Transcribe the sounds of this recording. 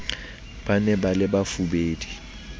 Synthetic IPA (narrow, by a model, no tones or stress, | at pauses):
b̥anɛbalɪbafubeːdi̥